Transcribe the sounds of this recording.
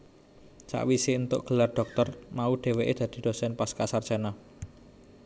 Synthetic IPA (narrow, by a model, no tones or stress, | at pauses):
t͡ʃa̰ʔwisint̪ʊ̰ʔɡ̥ə̤larɖ̪̥ɔ̤k̚t̪ɔrmauɖ̥e̤weʔed̪̥ä̤d̪̥i̥̤d̪̥o̤sɛnpaskasard̥d͡ʒʒ̥a̤na